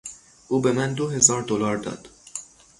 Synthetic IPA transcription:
ʔuːbe̞mænd̪oɦe̞zɒːɾd̪olɒːɾd̪ɒ̰ːd̪̥

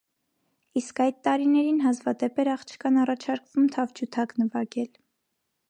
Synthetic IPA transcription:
iskɑjd̪̚t̪ːɑɾinɛɾinɦɑzvɑd̪ɛpɛɾɑχt͡ʃʰkʰɑnɑrɑt͡ʃʰɑɾkvumt̪ʰɑvd͡ʒʰut̪ʰɑknəvɑɡɛl

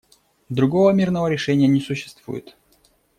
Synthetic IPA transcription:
d̪ɾʊɡovəmʲirnəvəɾʲɪʂɛnʲɪjənʲɪsʊɕːɪ̥st̪v̥ṵjɪ̰t̪

